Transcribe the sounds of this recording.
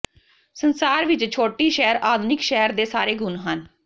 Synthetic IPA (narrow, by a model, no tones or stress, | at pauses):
sənsaːɾʋɪt͡ʃt͡ʃʰoːʈiːʃɛːɾaːd̪nɪkʃɛːɾd̪eːsaːɾeːɡʊnɦən